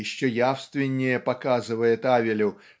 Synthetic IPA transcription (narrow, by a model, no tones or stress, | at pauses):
ɪɕːɵjafst̪vʲɪnʲːɪjəpɐkazɨvəjɪt̪avʲɪlʲʊ